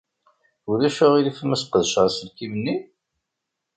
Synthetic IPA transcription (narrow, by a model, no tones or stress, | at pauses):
uðæʃʊʁilifmæsqəðʃʁasəlkimənːi